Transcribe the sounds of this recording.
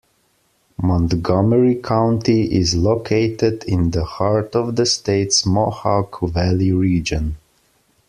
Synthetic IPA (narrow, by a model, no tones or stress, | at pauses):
mɔ̃ntɡɑməɹikʰãʊ̃ntiʔɪzlokʰeɪtɪdɪ̃nðəhɑɹtɔvðəsteɪtsmɔhɑkʰvælˠiɹiːd͡ʒə̃n